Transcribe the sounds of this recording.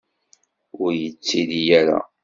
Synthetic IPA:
ʊɾjət͡sːiðijæɾa̰

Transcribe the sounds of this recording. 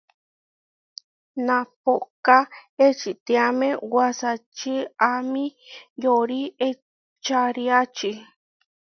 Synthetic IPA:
nãpokaet͡ʃit̪ĩamẽwasat͡ʃiamĩjoɾie | t͡ʃaɾiat͡ʃi

